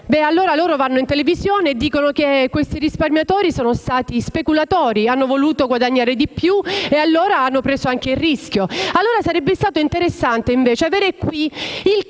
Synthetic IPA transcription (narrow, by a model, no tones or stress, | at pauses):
bɛalːoːɾaloːɾovanːoint̪elevizjoːneːd̪ːiːkonok̟ekːwest̪iɾisparmjat̪oɔːɾisoːnost̪aːt̪ispekulat̪oːɾianːovoluːt̪oɡwad̪aɲːaːɾed̪ipːjuealːoːɾaanːopɾeːsoaŋkeilrisk̟joalːoːɾasaɾɛbːest̪aːt̪oint̪eɾesːant̪eiɱveːt͡ʃeaveːɾekwiil